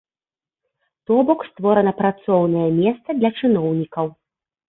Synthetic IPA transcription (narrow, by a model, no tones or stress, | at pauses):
t̪ɔbɔkst̪vɔɾɐnɐpɾat̪sɔwn̪ɐjɐmʲɛst̪sɐd̪lʲɐt͡ʂɨnɔwnʲikɐw